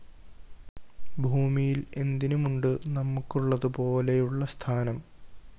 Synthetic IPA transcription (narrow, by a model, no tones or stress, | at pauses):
bʱuːmijile̞nd̪inumuɳɖɨnɐmːukːuɭːɐðupo̞ːle̞juɭːɐst̪ʰaːnɐm